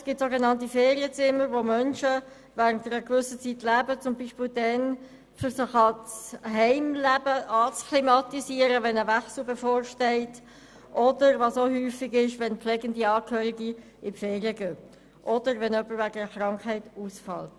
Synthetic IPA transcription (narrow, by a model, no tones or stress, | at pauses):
sɡ̥ɪp̚tsoɡenɑnt̬ifeːʁiət͡sɪməɾʋomœnʃə | væːʁəntəɾəkvʏsət͡sitlæːbət͡sʊmbiːʃpɪldɛn | fʏɾsɪχɑt͡sɦɛɪmlæbəʔɑt͡skʰlimɑtisiːəɾəʋɛnəvæχsl̩befoːrʃtɛɪt | ʔɔdəɾvɑsohyːfɪɡɪʃʋɛnplɛːɡəndiɑːkʰøːɾiɡi | ɪfɛːʁiəɡøː | ʔɔdəɾvɛnœpːəɾvæɡəəχrɑŋkhɛɪtuːsfɑ̰lt